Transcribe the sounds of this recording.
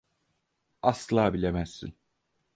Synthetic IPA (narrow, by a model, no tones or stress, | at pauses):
ɑslˠaːbilʲemæsːḭn